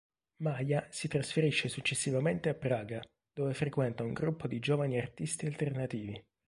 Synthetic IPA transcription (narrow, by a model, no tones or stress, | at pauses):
majasit̪ɾasfeɾiʃːesut͡ʃːesːivament̪eapːɾaːɡa | d̪̥oːvefɾekwɛnt̪auŋɡɾupːod̪id͡ʒovaniart̪ist̪ialt̪ernat̪iːvi